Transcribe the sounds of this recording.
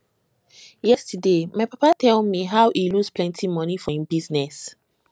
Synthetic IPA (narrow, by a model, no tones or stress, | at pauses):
jɛstədemaɪpapatʰɛlˠmiɦawʔilusplɛ̃ntʰimɔnifɔĩmbiznɛs